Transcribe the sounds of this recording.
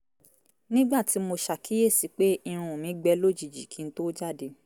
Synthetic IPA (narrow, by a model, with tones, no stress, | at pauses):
nĩ˦ɡ͡ba˦˨ti˨˦mo˧ʃa˨kʰi˨˦je˦˨si˨˧˦k͡pe˦i˧ɾ̃ũ˧o˨mĩ˨˦ɡ͡bɛ˧˦lo˦˨d͡ʒi˨d͡ʒi˨kʰĩ˨˧n̩˦to˦d͡ʒa˦˨de˨˦